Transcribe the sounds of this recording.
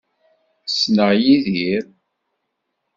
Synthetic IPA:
snəʁjiðiɾ

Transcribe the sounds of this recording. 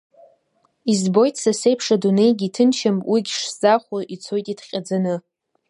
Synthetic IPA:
izbo̞jtʰsasejpʰʂadune̞jɡʲitʰɨnt͡ʃʰampʼwiɡʲʂz̥aχʷaʔit͡sʰo̞jtʼidχʲʼad͡zanɨ

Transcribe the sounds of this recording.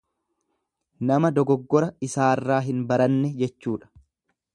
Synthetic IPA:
nɐmɐd̪ɔɡɔɡːɔɾɐɪsaːrːaːɦɪnbɐɾɐnːɛd͡ʒɛt͡ʃːuːᶑɐ̥

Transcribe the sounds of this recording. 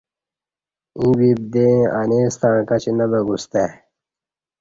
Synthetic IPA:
ĩbib̚d̪eaneːst̪ãːkɐt͡ɕinɐbɐɡust̪e

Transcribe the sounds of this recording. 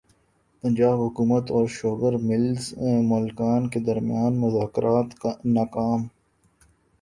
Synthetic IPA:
pə̃nd͡ʒaːbɦʊkuːmət̪ɔːɾʃoːɡəɾmɪlzẽmoːlɪkaːnked̪ɐɾmɪjaːnmʊzaːkɾʔaːt̪kanaːkaːm

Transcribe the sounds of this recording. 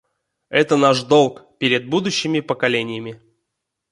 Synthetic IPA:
ɛt̪ənaʂd̪o̞lˠkpʲeɾʲɪd̪̚bud̪ʊɕːɪmʲɪpəkɐlʲenʲɪjəmʲɪ

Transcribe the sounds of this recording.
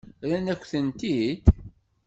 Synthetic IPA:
ɾænækʷːθənt̪id̪

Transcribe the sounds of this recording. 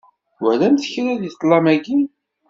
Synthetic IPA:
wælæmθəçɾæðjiˤlˤːɑmæɡi

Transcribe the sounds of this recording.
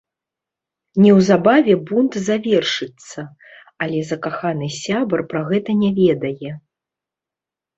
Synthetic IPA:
nʲɛwzabavʲɛbunt̪zavʲɛrʂɨt̪sːɐ | alʲɛzɐkaxanɨsʲabɐrpɾaɣɛt̪ɐnʲavʲɛd̪ɐjɛ

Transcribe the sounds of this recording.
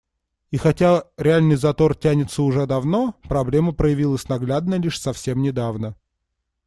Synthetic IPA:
ixɐtʲaɾʲɪalʲnɨjzɐt̪o̞rtʲænʲɪt̪səʊʐɛd̪ɐvno̞pɾɐblʲeməpɾəjɪvʲilˠəsʲnɐɡlʲad̪̚nəlʲiʂsɐfsʲe̞mnʲɪd̪avnə

